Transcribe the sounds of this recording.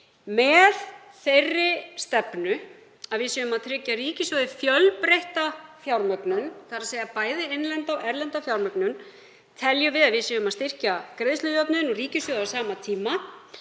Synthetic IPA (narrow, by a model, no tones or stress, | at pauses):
mɛð | θejrːɪst̪ɛpnʏ | aðvɪsjɛmaðt̪ʰɾɪcːariːcɪsjœːðɪfjœlpɾejht̪afjawɾmœknʏnθaɾasejðapaːjðɪenlɛnt̪awʔɛɾlɛnt̪afjawɾmœknʏn | t̪ʰɛljʏvɪðaðvɪsɛʏmaðst̪ɪr̥cakɾejðslʏðjɔpnʏnɔriːcɪsvjœðasaːmat̪ʰiːma